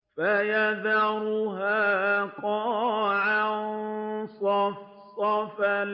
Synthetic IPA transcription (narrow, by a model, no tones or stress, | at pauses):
fajaðaɾʊɦaːkɔ̃ʕans | sɔfal